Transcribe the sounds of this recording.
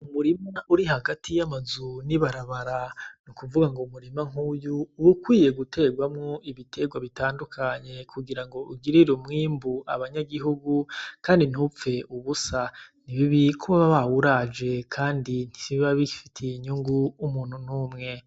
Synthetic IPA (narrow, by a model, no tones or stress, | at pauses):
umuɾimaʔuɾiɦaɡatijamazuniβaɾaβaɾanukuvuɡaŋɡomuɾimaŋ̥huːjuːβukwiːje̞ɡute̞ːɡwamŋoiβitʰe̞ɡwaβitaːndukʰaɲe̞kʰuɡiɾaŋɡo̞ʔuɡiɾiɾumŋiːmbuʔaβaɲaɡiɦuɡukaːndin̥up͡fe̞uβusaniβiβikuβaβaβawuɾad͡ʒe̞kʰaːndin̥i̥siβaβifitʰiɲuŋɡuumuːn̥hunuːmŋe̞